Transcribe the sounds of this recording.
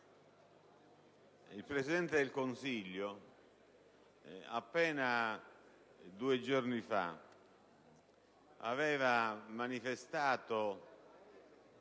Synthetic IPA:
ilpɾesid̪ɛnt̪ed̪ɪlkonsiʎːo | a̰pːɛːna | d̪uːed͡ʒornifa̰ | a̰vɛːvamanifest̪aːt̪o

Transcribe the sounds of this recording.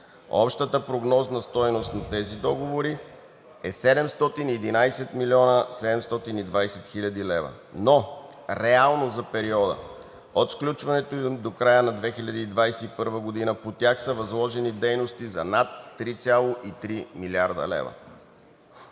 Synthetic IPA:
ɔ̰pʃt̪ət̪əpɾoɡnɔznɐst̪ɔjnost̪nɐt̪ɛzid̪ɔɡovoɾi | ɛsɛd̪ɛmst̪ɔt̪iniɛd̪inajsɛt̪milʲiɔnəsɛd̪ɛmst̪ɔt̪inid̪vajsɛt̪xilʲɐd̪ilɛvə̰ | no | ɾɛalˠnozɐpɛɾiɔd̪ə̰ | ot̪sklʲut͡ʃvɐnɛt̪od̪okɾajənɐd̪vɛxilʲɐd̪iːd̪vajsɛipɤɾvəɡod̪inəpot̪ʲaxsəvɐzlˠɔʒɛnid̪ɛjnost̪izɐ̰nat̪ːɾit̪sʲalˠoʔit̪ɾimilʲiaɾd̪ə̰lɛ̰və̰

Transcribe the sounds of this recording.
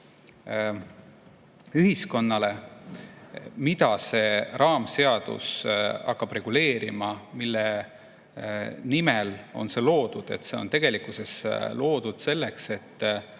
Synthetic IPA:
yhisko̞nːɑle̞ | mid̪ɑse̞ɾʔɑːmse̞ɑd̪̥ṵsɑ̰kːɑb̥re̞ɡ̥ule̞ːɾḭmɑmilːe | nimelo̞̰nse̞lo̞ːd̪̥ud̪̥e̞̰t̪se̞ont̪e̞ɡ̥e̞likːˑuse̞slo̞ːd̪̥ud̪̥se̞lːe̞kse̞t̪ː

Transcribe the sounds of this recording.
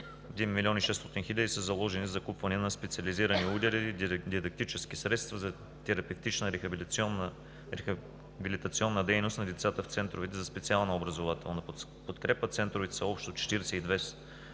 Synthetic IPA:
ɛd̪inmilʲiɔniʃɛst̪ɔt̪inxilʲəd̪isəzɐlˠɔʒɛnizɐkupvɐniɛnɐspɛt̪siɐliziɾəniud̪ʲɛɾid̪id̪ɐk̚t̪it͡ʃɛskisɾɛt̪st̪vɐzɐ | t̪ɛɾɐpɛft̪it͡ʃnəɾɛx | ɾɛ | bilit̪ət̪siɔnːəd̪ɛjnost̪nɐd̪ɛt̪sat̪əft̪sɛnt̪ɾovit̪ɛzɐspɛt̪sialˠnɐobɾɐzovat̪ɛlˠnɐ | pot̪kɾɛpət̪sɛnt̪ɾovit̪ɛ̥sɐɔpʃt̪ot͡ʃɛ̥t̪iɾɛsɛid̪vɛsɛ̥

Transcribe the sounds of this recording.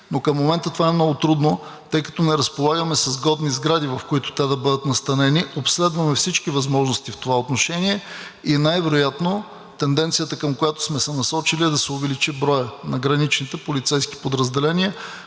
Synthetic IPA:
nokɐmːomɛnt̪ət̪ovaɛmnɔɡʊt̪ɾud̪no | t̪ɤjkɐ̥t̪ɔnɛɾɐspolˠaɡəmɛsɐzɡɔd̪nizɡɾad̪ivɐfkoit̪ʊ̥t̪ɛd̪ɐbɤd̪ət̪nɐst̪ɐnɛniʔopslɛd̪vɐmɛfsit͡ʃkivɐzmɔʒnost̪ift̪ovaot̪noʃɛnʲiɛ | inajvɛɾʊjat̪no | t̪ɛnd̪ɛnt̪sijət̪əkəmkʊjat̪ʊ̥smɛsɛnɐsɔt͡ʃiliɛd̪ɐsɛʊvɛlit͡ʃibɾɔjənɐɡɾɐnit͡ʃnit̪ɛpolit̪sɛjski̥pod̪ɾɐzd̪ɛlɛniə

